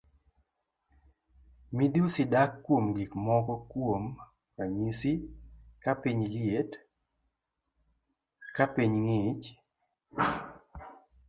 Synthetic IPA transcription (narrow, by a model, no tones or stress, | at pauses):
mid̪usɪdakːwomɡikmɔkɔkwom | kaɲisikapiɲlɪet | kapiɲŋɪt͡ʃ